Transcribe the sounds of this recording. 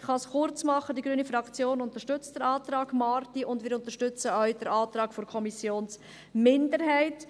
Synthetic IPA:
χɑsχʊɾt͡smɑχədiɡɾyːnifɾɑkt͡sjoːnʊntəʃtʏt͡std̥əɾɑːtɾɑːɡmɑːɾtiʊndʋɪːɾʊntəɾʃtʏt͡səœʏd̥ɛɾɑːt̪ɾɑːɡ̥fɔɾkʰɔmisjoːns | mɪndəɾɦɛɪt

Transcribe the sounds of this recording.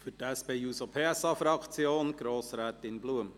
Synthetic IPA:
fytɛspeːjuːsopʰeːɛsɑfɾɑkt͡sjoːnɡ̥ɾoːsɾɛːt̪ɪnbluəm

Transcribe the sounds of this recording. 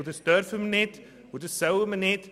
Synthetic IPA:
utəstœrfəmənɛt | ɦutəsɐwəmənɛt

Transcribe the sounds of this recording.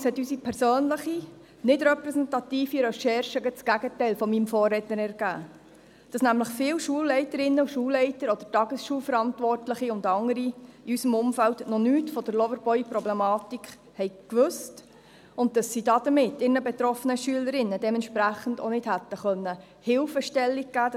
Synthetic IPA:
shɛt̪ːysipʰɛɾsøːnləχi | nɪdɾɛpɾɛsɛntɑtiːfiɾɛʃɛɾʃəɡət͡sɡ̥æɡətɛɪlfɔmimfɔːɾːɛtənɛɾɡ̥æ̰ː | d̥ɑsnæmləχfɪːwʃuəlːɛɪtəɾɪnːəʃuːlːɛɪtəɾɔd̥ətɑɡəsʃuːlfəɾɑntʋɔrtləχiʊndɑŋəɾiiysəmʊmfældnɔnyːtfɔd̥əɾlɔvəɾbɔjpɾɔblɛmɑːtikχ | hɛɪkʋɵst | ʊnt̚dɑsːidɑd̥əmɪtːɪnəbɛt̪ɾɔfənəʃyələɾɪnːədɛmɛntʃpɾæχəndo̰nɪdhæt̪ːəχœnːə | hɪlfəʃtɛlːiɡ̚ɡ̥æːd

